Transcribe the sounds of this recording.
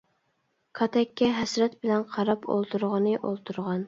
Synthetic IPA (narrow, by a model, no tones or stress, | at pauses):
kʰɑt̪ʰɛkʲːɛɦɛsɾɛt̪̚bɪlɛnqʰɑɾɑpo̰lˠt̪ʰuɾʁənɨʔolˠt̪ʰuɾʁɑn